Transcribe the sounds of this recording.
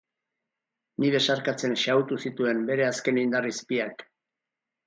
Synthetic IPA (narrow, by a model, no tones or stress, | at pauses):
niðe̞saɾkat͡se̞nʃawt̪usit̪ue̞mbe̞ɾe̞aske̞nind̪arispiak